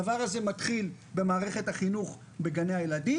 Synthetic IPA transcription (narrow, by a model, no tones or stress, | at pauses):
avaʁaze̞matχil | be̞maːʁe̞χe̞thaχinuχ | be̞ɡaneajeladi